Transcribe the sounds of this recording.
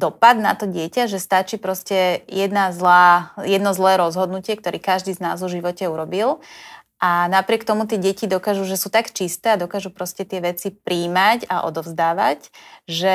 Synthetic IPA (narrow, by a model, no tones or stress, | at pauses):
d̪ɔpad̪na̰t̪ɔɟɪɛcaʒɛst̪at͡ʃiːpɾɔscɛjɛd̪nazlaːjɛd̪nɔzlɛːɾɔzɦɔd̪nucɪɛkt̪ɔɾikaʒd̪iːzna̰ːzɔʒiʋɔcɛuɾɔbil | ʔanapɾɪɛkt̪ɔmut̪ɪɛɟɛcid̪ɔkaʒuʒɛsut̪akt͡ʃist̪ɛːad̪ɔkaʒupɾɔscɛt̪ɪɛʋɛt͡sipɾʔiːmacaʔɔ̰d̪ɔvzd̪aːʋacʒɛ